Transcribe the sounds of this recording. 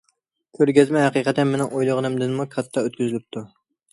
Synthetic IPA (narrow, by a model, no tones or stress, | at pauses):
kʲʰøɾɡʲɛzmɛɦæqiqʰɛt̪ːɛnmenɪŋojlˠəʁənɨmd̪ɪnmukʲʰɑt̪ʰːɑøt̪̚kʲyzylyp̚t̪ʰu